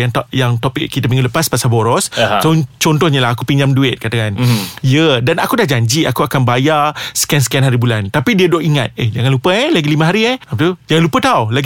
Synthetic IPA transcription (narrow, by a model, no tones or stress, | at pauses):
jaŋt̪ʔjaŋt̪opɪ̰kːit̪apiŋɡunləpaspasaboɾɔst͡ʃant͡ʃɔnt̪ɔhɲəlaɦakupiɲd͡ʒamduɪt̪̚kat̪akanjədanakudahd͡ʒaɲd͡ʒiakuakanbajasə̥kɛansə̥kajanɦaɾibulant̪apidiəduoʔiŋat̪̚ed͡ʒaŋanlupəɛlaɡilimə̃ɦaɾiɛapt̪ud͡ʒaŋanlupət̪awla